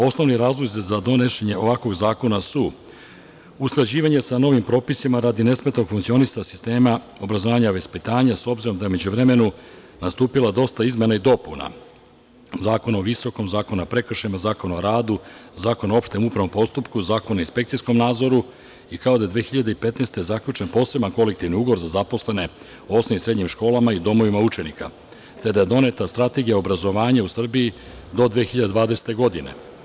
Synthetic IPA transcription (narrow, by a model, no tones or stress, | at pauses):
o̞sno̞ʋniɾaːzlˠozizad̪o̞ne̞ʃeɲe̞ʔo̞ʋakʋo̞ɡzaːko̞nasu | usklˠad͡ʑiːʋaɲe̞sano̞ʋimpɾo̞ːpisimaɾad̪ine̞smet̪noɡ̥fuŋkt̪sio̞nist̪asi̥st̪e̞ːma | o̞bɾazo̞ʋaːɲaʋe̞spit̪aːɲaso̞bziɾo̞md̪ajeume̞d͡ʑuʋɾe̞me̞nu | nast̪uːpilad̪o̞st̪aizme̞naid̪o̞puna̰ | zaːko̞naoʋiso̞ko̞mzaːko̞nuapɾe̞kr̩ʃemazaːko̞naoɾaːd̪uzaːko̞nao̞pʃt̪e̞mupɾaʋo̞mpo̞st̪upkuzaːko̞nainspe̞kt̪sisko̞mnaːd̪zo̞ɾu | ikao̞d̪ajed̪ʋeːxiʎad̪e̞ipe̞t̪nest̪e̞jezakʎut͡ʃe̞npo̞ːse̞banko̞le̞k̚t̪iʋniuɡʋoɾzazapo̞sle̞ne̞ | osmiisɾe̞d̪ɲimʃko̞ːlamaid̪o̞mo̞ʋimaut͡ʃe̞nika̰ | t̪e̞d̪aje̞d̪o̞ne̞t̪ast̪ɾat̪e̞ɡijao̞bɾazo̞ʋaːɲausr̩bii | d̪o̞d̪ʋeːxiʎad̪ed̪vaːd̪ese̥t̪e̞ɡo̞d̪ine̞̰